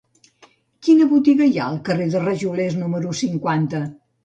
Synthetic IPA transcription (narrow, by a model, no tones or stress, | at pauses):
kinəβut̪iɣəjaəlˠkəreðərəʒuleznuməɾusiŋkwant̪ə